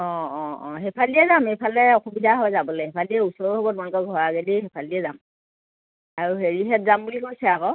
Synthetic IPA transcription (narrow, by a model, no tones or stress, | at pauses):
ɔ̃ɔ̃ɔ̃ɦepʰaliɛzamejpʰalɛɔxubidʱaɦɔjzabɔlejɦepʰaliɛusɔɹɔɦɔbɔtmankɔɡʱɔɹaɡeliɦepʰaliɛzam | aɹuɦeɹiɦɛt̚zambulikojsɛakɔ